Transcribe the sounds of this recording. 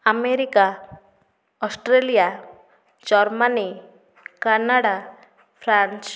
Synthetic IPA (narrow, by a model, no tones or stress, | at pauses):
ameɾika | ɔsʈɾelija | d͡ʒɔɾmani | kanaɽa | pʰɾant͡ʃ